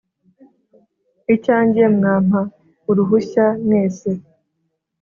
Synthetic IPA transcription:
icaːɲɟiemŋaːm̥a | uɾuɦuçanŋeːse

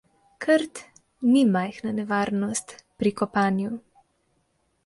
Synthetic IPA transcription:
kʰəɾt̪ | nimajxnanɛʋaːɾnɔst̪pɾikɔpaːnju

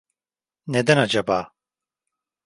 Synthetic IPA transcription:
ned̪ɛnad͡ʒabaː

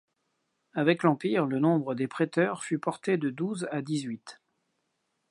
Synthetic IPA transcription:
avɛklɑ̃piʁlənɔ̃bʁəd̪epχet̪œʁfypɔʁt̪ed̪əd̪uzad̪izɥit̪

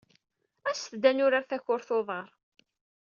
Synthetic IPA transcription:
æsθd̪ænʊɾaɾθæçʊɾθoðˤəɾˤ

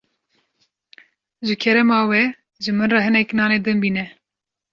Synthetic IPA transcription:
ʒɨkʰɛɾɛmɑːwɛ | ʒɨmɨnrɑhɨnɛknɑːneːd̪ɨnbiːnɛ

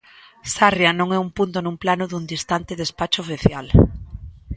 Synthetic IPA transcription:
sarjanõŋɛumpunt̪onũmplanʊðund̪ist̪ant̪ɪðespat͡ʃʊofiθjal

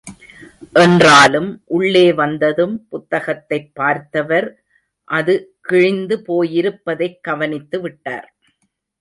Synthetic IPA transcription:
ʔɛndraːlɯmʔʊɭːeːʋɐnd̪ɐðɯmpʊt̪ːɐɣɐt̪ːɐɪpːaːɾt̪ɐʋɐɾ | ʔɐðɯkɪɻɪnd̪ɯpoːjɪɾɯpːɐðɐɪkːɐʋɐnɪt̪ːɯʋɪʈːa̰ːɾ

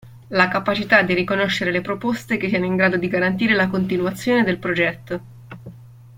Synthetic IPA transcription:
lakapat͡ʃit̪ad̪iɾikonoʃːeɾelepɾopost̪ek̟esːiɛnoiŋɡɾaːd̪od̪iɡaɾant̪̬iːɾelakont̪inwat̪sːjoːned̪elpɾod͡ʒɛt̪ːo

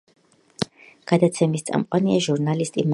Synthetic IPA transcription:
ɡ̥ad̪at̪sʰɛmist̪sʼa̰mqʼwaniaʒuɾnalist̪ʼim

